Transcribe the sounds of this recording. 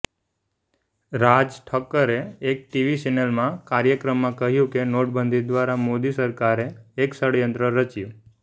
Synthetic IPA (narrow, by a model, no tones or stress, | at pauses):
ɾad͡ʒʈʰəkːəɾeek̚ʈiʋit͡ʃɛnəlmãkaɾjəkɾəmːãkəɦjũkenoʈbənd̪ʱid̪ʋaɾamod̪isəɾkaɾeːksəɽjənt̪ɾəɾət͡ʃjũ